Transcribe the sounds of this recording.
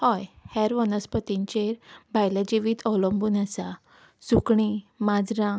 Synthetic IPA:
hɔjhɛɾʋənəspət̪iɲt͡ɕeɾbʱajlad͡ʑiʋiːt̪ʰɔwləmbuːnasa | sukɳimad͡zɾã

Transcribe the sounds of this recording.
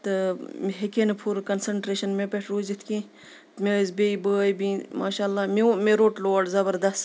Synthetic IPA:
t̪ɨmɦekenpʰuɾkɐnsɐɳʈɾeːʃɐnmẽpeʈʰɾoːzit̪ʰkĩː | t̪mezbeːibəjbĩmaːʃaːlːaːmemeɾoːʈloːɖzɐbəɾd̪ɐst̪

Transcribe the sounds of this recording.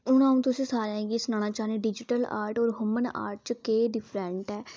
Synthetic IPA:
ʊñãːũːt̪ʊsĩːsaːɾɛ̃ːɡiːsnãːñaːt͡ʃaːneɖɪd͡ʒɪʈəla̰ːɾʈɔːɾɦʊməna̰ːɾʈ̚t͡ʃkeːɖɪpʰɾɛ̃ːɳʈɛː

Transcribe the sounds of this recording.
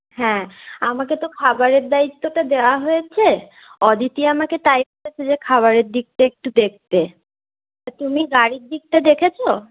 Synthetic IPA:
hɛ̃amaket̪okʰabaɾeɾd̪ait̪ːoʈad̪eoaɦojet͡ɕʰe | ɔd̪ʱit̪iamaket̪ajpoɽet͡ɕʰed͡ʑekʰaβaɾeɾd̪ik̚ʈaek̚ʈud̪ek̚t̪e | at̪umiɡaɽiɾd̪ik̚ʈad̪ekʰet͡ɕʰo

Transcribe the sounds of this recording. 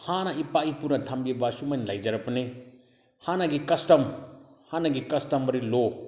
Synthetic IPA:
hanɐipaipuɾnɐtʰambibasumajnlajd͡ʒɐɾɐpɐne | hanaɡikɐstɐmhanɐɡikɐstɐmbɐɾilo

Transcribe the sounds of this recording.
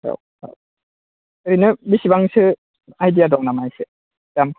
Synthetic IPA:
ɾa̰w | a̰w | ɯɾinɯbisibaŋsɯ | ajdiadɔŋnamajse | dam

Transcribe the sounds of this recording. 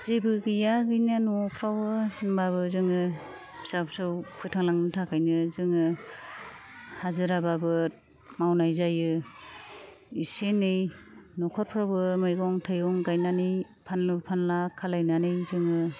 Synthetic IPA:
z̥ebɯɡɯjaɡɯjnanɔpʰɾawbɯnbaβɯzɯŋɯ | bsapsɯwpʰɯtʰaŋlaŋnɯtʰakʰajnɯzɯŋɯ | hazɯɾababɯ | mawnajzajɯ | isenɯjnɔkʰɔɾ̚pʰɾawbɯmɯjɡɔŋtʰɯjɔŋɡajnanɯj | pʰanlɯpʰanlakʰalajnanɯjzɯŋɯ

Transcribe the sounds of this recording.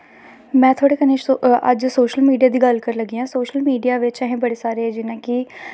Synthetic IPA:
mɛ̃ːt̪ʰoaːɽeːkəneːʃə̰d͡ʒsoːʃəlmiːɖijaːd̪iːɡəlkəɾləɡiːɦãːsoːʃəlmiːɖijaːʋɪt͡ʃɛɦẽːbəɽeːsaːɾeːd͡ʒɪnãːkɪ

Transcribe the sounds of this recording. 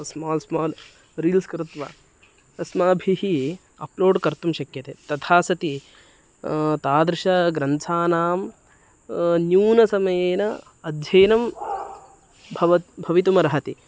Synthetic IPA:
smaːlsmɔːl | ɾiːlskɾɪt̪ʋɐ̰ | ɐsmaːbʱiɦi | ɐ̰ploːɖkɐɾt̪umʃɐkjɐt̪eːt̪ɐt̪ʰaːsɐt̪i | t̪aːd̪ɾɪʃɐɡɾɐnt̪ʰaːnaːm | njuːnɐsɐmɐjeːnɐ | ɐd̪ʱjeːnɐm | bʱɐʋɐt̪bʱɐʋit̪umɐɾɐɦɐt̪i

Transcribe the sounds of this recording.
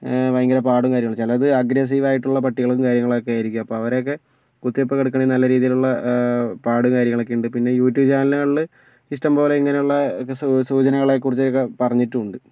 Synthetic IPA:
ʋɐjŋɡɐɾɐpaːɽumkaːɾjɐŋːɭt͡ɕːelɐðɨɐɡɾes̬iʋaːjiʈːuɭːɐpɐʈːiɣɐɭumkaːɾjɐŋːɐɭokːejaːjiɾikʲːumɐpːo̞ːɐʋɐɾeokːe̞ | kut̪ːijopːokeɽukːɐɳinɐlːɐɾiːðijiluɭːɐpaːɽumkaːɾjɐŋːɐɭokːeuɳɖɨpinːe̞juːtːjuːʋt͡ɕaːnɐlɨɭːɨ | iʂʈɐmpo̞ːle̞iŋːɐne̞juɭːɐssuːt͡ɕɐnɐɣɐɭekurit͡ɕːɐokːe̞pɐrɐɲːiʈːuɳɖɨ

